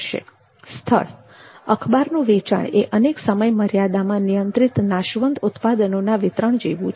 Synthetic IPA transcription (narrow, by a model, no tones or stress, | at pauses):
ʃḛ | st̪ʰə̰ɭ | əkʰbaɾnũʋet͡ʃa̰ɳeʔəneksəməjməɾjad̪amãnijənt̪ɾit̪naʃʋənd̪ut̪pad̪ənonaʋɪt̪ɾəɳd͡ʒeʋũt͡ʃ